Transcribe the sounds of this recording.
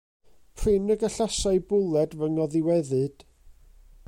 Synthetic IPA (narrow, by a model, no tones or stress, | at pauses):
pʰrɨnəɡaɬasajbʊlˠɛdvəŋɔðɪwɛðɨd̥